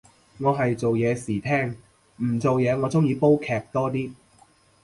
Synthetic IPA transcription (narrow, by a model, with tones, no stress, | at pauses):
ŋɔː˨˧ɦɐ˨jt͡so˨wjɛː˨˧siː˨˩t̪ʰɛː˥˩ŋ | m̩˨˩t͡so˨wjɛː˨˧ŋɔː˨˧t͡sʊ˥ŋjiː˨˧po˥wkʰɛː˧˩k̚t̪ɔː˥t̪iː˥